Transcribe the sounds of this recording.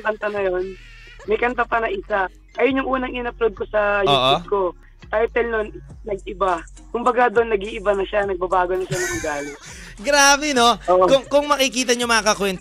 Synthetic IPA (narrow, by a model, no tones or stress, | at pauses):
kɐnt̪anɐjon | mɐjkɐnt̪apɐnɐʔɪsa | ɐjonjʊŋʔuːnɐŋɪnɐplod̪̚kosɐjuːʔʊko̞ | t̪ɐjt̪ɛlnonnɐɡ̚ʔɪba | kʊmbɐɡad̪onːɐɡiʔɪbɐnɐʃanɐɡ̚bɐbaːɡonɐʃanɐʔʊɡaːlɪt | ɡɾaːbɛno̞oːʔkʊŋkʊŋmɐkɪkiːt̪̬ɐɲomɐŋakɐkwɛnt̪